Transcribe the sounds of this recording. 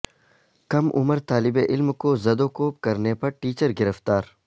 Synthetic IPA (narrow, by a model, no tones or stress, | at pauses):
kɐmʔʊ̰məɾt̪aːlɪbeʔɪlmkoːzɐd̪oːkoːp̚kɐɾnepɐɾʈiːt͡ʃəɾɡɪɾəft̪aːɾ